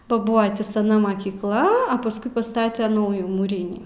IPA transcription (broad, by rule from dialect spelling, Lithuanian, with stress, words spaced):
bɐ ˈbʊɐ tʲiː sɐˈnɐ mɐkʲiːkˈlˠɐ ɐ pɐsˈkʊɪ pɐˈstɑːtʲɛ ˈnɐʊjuː muːˈrʲiːnʲiː